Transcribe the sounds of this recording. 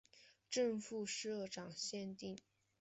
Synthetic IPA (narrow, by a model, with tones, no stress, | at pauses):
ʈ͡ʂɤ˥˧ŋfu˥˧ʂɻ̩˥˧ɤ˥˩ʈ͡ʂɑ˨˩ŋɕjɛ˥˧nt̪i˥˩ŋ